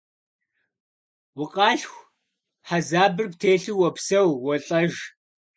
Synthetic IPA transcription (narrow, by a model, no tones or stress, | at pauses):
wʊqʼɑːɬxʷ | ħazaːbɨrptʰeːɬɨwɔpsɐwwɔɬʼɐʒ